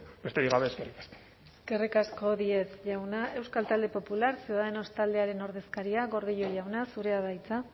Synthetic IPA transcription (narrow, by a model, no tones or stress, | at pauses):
bet̪eɾiɣaβe̞ːskerikḁsko̥ | eske̞rikasko̞ðie̞sʝawnaʔe̞wskalt̪ald̪e̞po̞pulaɾseaeno̞st̪ald̪e̞aɾe̞no̞ɾð̞e̞skaɾiaɣo̞ɾðiʎo̞ʝawnasuɾe̞aβajt͡sa